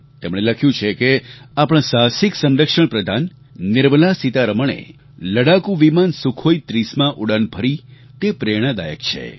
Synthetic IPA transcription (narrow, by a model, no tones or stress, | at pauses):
t̪emɽ̃eləkʰjũt͡ʃʰekeapəɽ̃sasiksə̃nɾəkʃəɳpɾəd̪ʱanː | ɪɾməlasit̪aɾəməɳ̃ḛ | ləɽakũʋimansukʰoit̪ɾismãʔuɽanbʱəɾi | t̪epɾeɽ̃əd̪ajə̰k̚t͡ʃʰḛ